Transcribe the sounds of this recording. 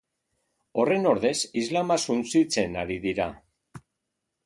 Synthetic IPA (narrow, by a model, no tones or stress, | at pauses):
o̞re̞no̞ɾðe̞sizlamasunt͡sit͡se̞naɾiðiɾa